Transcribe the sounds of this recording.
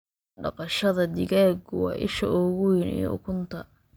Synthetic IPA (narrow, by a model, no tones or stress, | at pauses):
ɖɑ̰qɑʃɐðɐd̪ɪɣaːɡʊwɑ̰ːʔɪ̰ʃɐʔɔɣʊjɪnḭj̰ʊ̰kʰʊnt̪ʰɐ